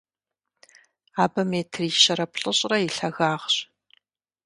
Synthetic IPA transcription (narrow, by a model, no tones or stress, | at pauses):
aːbɐmeːtʰriʃɐɾɐpɬʼɨɕʼrɐiɬɐɣaːʁɕ